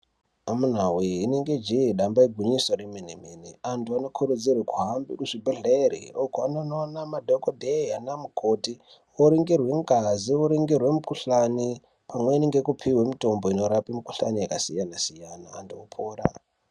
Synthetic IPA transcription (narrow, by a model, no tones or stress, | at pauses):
amun̤awiineŋɡe̞d͡ʒiiɗambaiɡʱwiɲisoɾemenemeneantuano̞kʰuɾud͡zirwekuɦambikuʐibʱeɮeɾḭokoanononamadʱokodʱeanamukoti | oɾiŋɡirwe̞ŋɡazioɾiŋɡirwe̞mukuɬani | pamweineŋɡekupʰiwemito̞mbo̞ino̞ɾapimuku̥ɬa̰nijakasijanasijana̰ːntuopʰoːɾa̰